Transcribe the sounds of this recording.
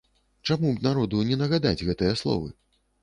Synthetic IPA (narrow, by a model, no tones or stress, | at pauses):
t͡ʂamunaɾɔd̪unʲɛnɐɣad̪a̰d͡zʲɣɛt̪ɨjɐslˠɔ̰vɨ